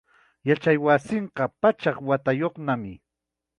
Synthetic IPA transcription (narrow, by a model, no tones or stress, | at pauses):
jat͡ʃajwasɪɴqɑpat͡ʃɑχwat̪ajoχnamɪ